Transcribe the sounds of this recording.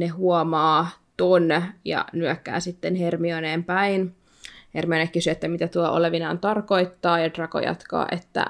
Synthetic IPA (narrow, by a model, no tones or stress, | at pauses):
neɦuomɑːt̪onjɑ̰nyøkːæ̰ːsit̪ːenhermioneːmpæin | hermionekkːysyet̪ːæmit̪æt̪uɑʔoleʋinɑnt̪ɑrko̞ijt̪ːɑːjɑd̥rɑko̰jɑ̰t̪kɑ̰ːʔet̪ːæ̰